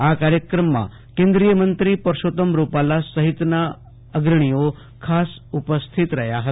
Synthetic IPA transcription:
akaɾjəkɾəmːa̰ | kẽnd̪ɾijəmənt̪ɾiːpəɾʂot̪əmɾupalasəɦit̪na | əɡɾəɳ̃ijo | kʰasupəst̪ʰit̪ɾəjaɦət̪

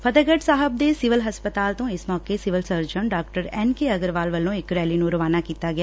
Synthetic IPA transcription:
pʰɐd̪əɡəʈsaːɦəb̚d̪esɪʋəlɦɐspət̪aːlt̪õɪsmɔːkesɪʋəlsəɾd͡ʒəɳɖaːkʈəɾɛːnkeɐɡəɾʋaːlʋɐlõɪkɾɛːlinũɾɐʋaːnakiːt̪aɡɪja

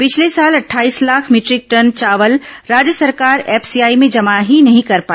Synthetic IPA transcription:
pɪt͡ʃʰlesaːlɐʈʰːaːiːslaːkʰmɪʈɾɪk̚ʈɐnt͡ʃaːʋəlɾaːd͡ʒjəsɐɾkaːɾɛːpʰsijaːimẽd͡ʒɐmaɦinɐɦĩkɐɾpaː

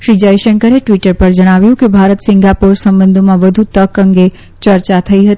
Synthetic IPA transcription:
ʃɾid͡ʒəjʃəŋkəɾeʈʋiʈəɾpəɾd͡ʒəɽ̃aʋjũkebʱaɾət̪sɪŋɡapuɾsəmbənd̪ʱmãʋəd̪ʱut̪əkəŋɡe | t͡ʃəɾt͡ʃat̪ʰəiɦət̪i

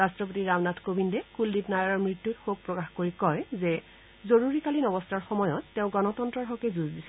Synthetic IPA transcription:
ɹastɹɔp̬otiɹawnatkobindɛkulːipnajɔɹɔɹmɹitːutxok̚pɹɔkaxkoɹikɔɹzɛ | zoɹuɹikalinɔbɔstaɹxɔmɔjɔtːeʊ̃ɡɔnɔtɔntɹɔɦɔkɛzuzdisɛ

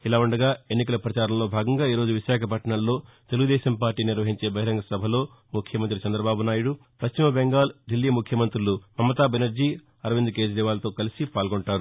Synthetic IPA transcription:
ilaːuɳɖɐɡaːe̞nːik̬ɐlɐpɾɐt͡ʃaːɾɐmlo̞ːbʱaːɡɐŋɡaːiːɾo̞ːd͡ʒuʋiʃaːkʰɐp̬ɐʈɐɳɐllo̞ː | t̪e̞luɡud̪ɛːʃɐmpaːɾʈiːniɾʋɐɦiɲt͡ʃe̞ːbɐɦiɾɐŋɡɐsɐbʱɐlo̞ː | mukʰjɐmɐnt̪ɾit͡ʃɐnd̪ɾɐbaːbunaːjuɽu | pɐʃt͡ʃimɐbeŋɡaːlɖilːiːmukʰjɐmɐnt̪ɾulumɐmːɐt̪aːbenɐɾd͡ʒiː | ɐɾɐʋind̪uke̞ːd͡ʒd̪ɛːʋaːlɐt̪o̞ːkɐlisipaːlɡoɳʈaːɾu

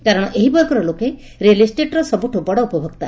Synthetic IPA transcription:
kaɾɔɽ̃ɔʔeɦibɔjkɔɾɔloke | ɾelisʈeʈɾɔsɔbuʈʰubɔɽɔupɔbʱɔɡt̪a

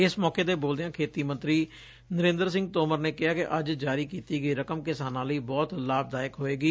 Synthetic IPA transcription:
ɪsmɔːkeːd̪eːboːld̪ɪjãːkʰeːt̪iːmə̃nt̪ɾiː | nəɾẽːnd̪əɾs̬ɪ̃ŋɡt̪oːməɾneːkɪɦaːkɪʔəd͡ʒd͡ʒaːɾiːkiːt̪iːɡəiːɾəkəmkɪsaːnãːləiːbɔːt̪laːb̚d̪aːɪkɦoːeːɡiː

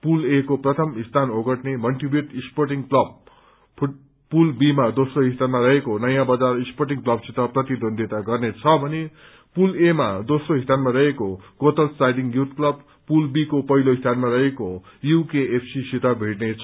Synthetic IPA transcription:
pulekoprʌt̪ʰʌmist̪ʰanoɡʌʈnemʌlʈribjuʈisporʈiŋklʌb̚ʰ | pulbimad̪osroɦist̪anmarʌɦekonʌjãbʌd͡zarisporʈ̬iŋklʌbsit̪ʌprʌt̪id̪ond̪ʱit̪aɡʌrnet͡sʰʌbʱʌne | pulemad̪osroɦist̪anmaɾʌɦekokot̪ʌlsajɖiŋjut̪klʌb | pulbikopʌɦiloist̪ʰanmarʌɦeko | jukeːpʰsisit̪abʱiʈnet͡sʰʌ

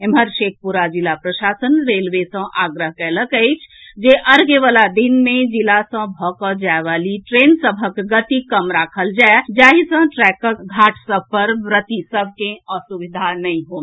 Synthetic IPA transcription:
emɦəɾʃek̚ʰpuɾad͡ʒilapɾəʃasənɾelʋesə̃ʔaɡɾəɦkɛləkəɪt͡ʃʰd͡ʒeʔəɾɡeʋalad̪inmed͡ʒilasə̃bʱɔkəd͡ʒaeʋaliʈɾensəbʱəkɡət̪ikəmɾakʰəld͡ʒaed͡ʒaɦisə̃ʈɾɛkəkɡʱaʈʰsəb̚ʱpəɾbɾət̪isəbʱkẽəsuʋid̪ʱanəĩɦom

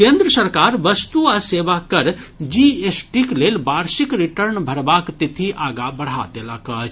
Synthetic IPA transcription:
kẽnd̪ɾəsəɾkaːɾʋəst̪uaseːʋakəɾd͡ʒiesʈikleːlbaːɾsikɾiʈəɾnbʱɐɾbaːkt̪it̪ʰiʔaːɡabɐɽ̤a̰d̪elakət͡ʃ

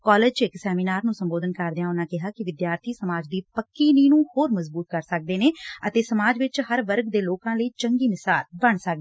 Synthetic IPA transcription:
kɔːleːd͡ʒt͡ʃɪksɛːmiːnaːɾnũːsəmboːd̪ənkəɾd̪ɪjãːʊnãːkɪɦaːkɪʋɪd̪jaːɾt̪ʰiːsəmaːd͡ʒd̪iːpəkːiːniːnũːhoːɾməzbuːt̪̚kəɾsək̚d̪eːneːət̪eːsəmaːd͡ʒʋɪt͡ʃhəɾʋəɾɡd̪eːloːkãːləiːt͡ʃəŋɡiːnɪsaːlbəɳsək̚d̪eː

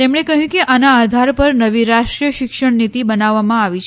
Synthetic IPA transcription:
t̪emɳekəɦjũkeʔanaːd̪ʱaɾpəɾnəʋiɾaʃʈɾijəʃɪkʃəɳnit̪ibənaʋːamãaʋit͡ʃʰ

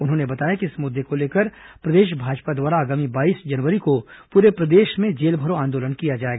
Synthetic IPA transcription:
ʊnɦõːnebɐt̪aːjakiɪsmʊd̪ʱːekoleːkəɾ | pɾɐd̪eːʃ̬bʱaːd͡ʒpad̪waːɾaːɡːmibaːiːsd͡ʒɐnʋəɾikopuːɾepɾɐd̪eːʃmẽd͡ʒeːlbʱəɾoãːnd̪oːlənkijad͡ʒaːeːɡaː

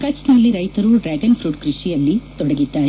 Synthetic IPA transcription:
kɐt͡ʃnɐlːiɾɐjt̪ɐɾuɖɾaːʈɐnpʰɾuːʈkɾiʂijɐlːit̪ɔɽɐɡit̪ːaːj

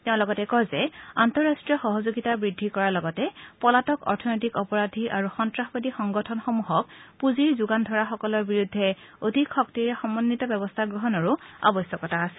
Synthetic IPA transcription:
teʊ̃lɔɡɔtɛkɔjzɛantɔɹastɹijɔxɔɦɔzoɡitabɹidʱːikɔɹalɔɡɔtɛpɔlatɔkɔ̰ɹtʰɔnɔjtikɔpɔɹadʱiʔaɹuxɔntɹaxbɔdixɔŋɡɔtʰɔnxomuɦɔk̚puziɹzuɡandʱɔɹaxɔkɔlɔɹbiɹudʱːɛ | odʱikxɔk̚tiɹɛxɔmːɔnːitɔbɛbɔstʰaɡɹɔɦɔnɔɹua̰bɔsjɔkɔtʰaːsɛ̥

